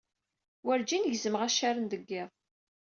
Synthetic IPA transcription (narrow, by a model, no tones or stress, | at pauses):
wəɾd͡ʒinəʝzəmʁæʃaɾənd̪əɡːɪʁ